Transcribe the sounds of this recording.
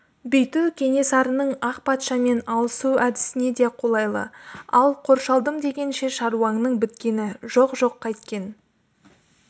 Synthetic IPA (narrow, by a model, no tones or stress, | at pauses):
bɵjt̪uwkʲʰe̞ŋe̞sɑɾənəɴɑqpɑt̪ʃɑme̞nɑlˠəsuæd̪ɪ̥sɪne̞d̪e̞qʰo̞lˠɑjlˠə̰ɑlˠqʰo̞ɾʃɑlˠd̪əmd̪e̞ɡʲe̞nʃe̞ʃɑɾuɑɴnəɴbɪt̪kʲe̞nɪʒo̞qʒo̞qːɑjt̪kʲe̞n